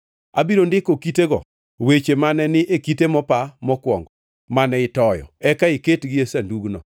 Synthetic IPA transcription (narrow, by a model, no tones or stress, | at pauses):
abiɾondɪkokiteɡɔ̰ | wet͡ʃemanɛnɪʔekitemɔpamɔkwɔŋɡɔ | manɛɪtɔjɔ̰ɛkaɪketɡɪesanduɡnɔ